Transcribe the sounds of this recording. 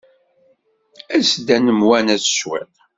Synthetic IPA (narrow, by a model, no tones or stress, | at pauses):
æsd̪ænəmwænæsə̥swɛ̰t